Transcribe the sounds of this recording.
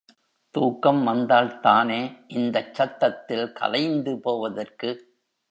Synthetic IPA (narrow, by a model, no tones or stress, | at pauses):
t̪uːkːɐmʋɐnd̪aːlt̪aːneːʔɪnd̪ɐt͡ʃːɐt̪ːɐt̪ːɪlkɐ̰lɐɪnd̪ɯpoːʋɐðɐrkɯ